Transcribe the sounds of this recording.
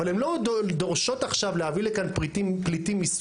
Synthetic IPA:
alhemlo̞dd̪oʁʃo̞t̪aχʃavlehavilekanpʁitimplit̪imis

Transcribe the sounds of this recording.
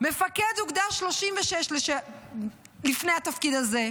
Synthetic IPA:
mefɐked̪uɡd̪aʃloʃimveʃɛʃleʃɛ | lifnejat̪ɐfkid̪aze

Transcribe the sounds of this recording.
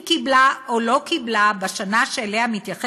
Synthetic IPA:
kiblaʔolo̞kiblabaʃanaʃeːleamit̪jaχe

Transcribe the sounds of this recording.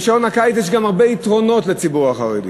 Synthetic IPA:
ʃaonhakajt͡sjɛʃ̬ɡamaʁbeitʁo̞no̞tle̞t͡sibuʁaχaʁḛd̪ḭ

